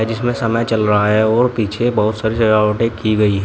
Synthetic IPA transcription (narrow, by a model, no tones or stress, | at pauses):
ɛd͡ʒɪsmẽsɐməjt͡ʃɐlɾɐɦaɦɛɔːɾpiːt͡ʃʰebɐɦʊt̪saːɾisɐd͡ʒaːwəʈẽkiɡɐiɦɛ